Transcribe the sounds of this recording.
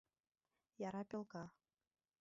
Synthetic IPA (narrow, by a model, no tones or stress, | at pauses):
jɑɾɑpʲĕlˠkɑ